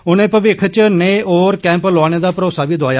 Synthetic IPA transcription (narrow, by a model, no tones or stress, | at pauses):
ʊnẽːpəʋɪkʰt͡ʃneːoːɾkɛ̃ːmploaːñeːd̪aːpəɾoːsaːʋiːd̪oaːjaː